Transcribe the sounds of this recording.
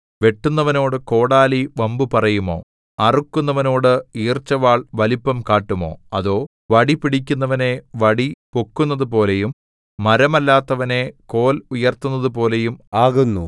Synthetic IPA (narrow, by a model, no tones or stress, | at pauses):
ʋe̞ʈːunːɐʋɐno̞ːɽɨko̞ːɽaːliʋɐmbupɐrɐjumo̞̰ː | ɐrukːunːɐʋɐno̞ːɽɨiːrt͡ɕːɐʋaːɭʋɐlipːɐmkaːʈːumo̞ːɐ̰ðo̞ː | ʋɐɽipiɽikʲːunːɐʋɐne̞ʋɐɽipokːunːɐðupo̞ːlejumː | ɐɾɐmɐlːaːt̪ːɐʋɐne̞ko̞ːlujɐrt̪unːɐðup̬o̞ːle̞jumaːɣunːṵ